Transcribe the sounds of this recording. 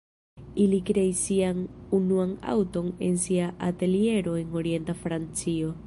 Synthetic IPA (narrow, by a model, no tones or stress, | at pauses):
ilikɾe̞isianunuaŋa̰wto̞ne̞nsiaʔate̞lie̞ɾo̞e̞ŋo̞ɾie̞ntafɾant͡sio̞